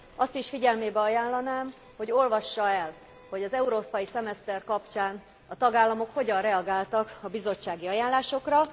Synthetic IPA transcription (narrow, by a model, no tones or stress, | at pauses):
ɒst̪iʃfiɟɛlmeːbɛɒjaːllːɒnaːm | ho̞ɟo̞lvɒʃːɒɛl | ho̞ɟɒzɛuɾoːpɒjisɛmɛst̪ɛrkɒpt͡ʃaːn | ɒt̪ɒɡaːlːɒmo̞kho̞ɟɒrrɛɒɡaːlt̪ɒkɒbizo̞t͡ʃːaːɡiɒjaːnlaːʃo̞krɒ